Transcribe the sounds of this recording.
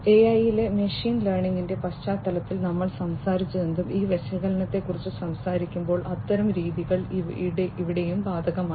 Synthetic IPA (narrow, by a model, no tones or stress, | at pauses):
eɐjile̞meʂiːnleːrɳiŋːinde̞pɐɕt͡ɕaːt̪ːɐlɐt̪ːilnɐmːɐɭsɐmsaːɾit͡ɕːuðend̪umiːʋeɕɐɣɐlɐnɐt̪ːe̞kːurit͡ɕːɨsɐmsaːɾikʲːumbo̞ːɭʔɐt̪ːɐɾɐmɾiːðiɣɐɭiɽeiʋiɽe̞jumbaːd̪ʱɐɣɐmaː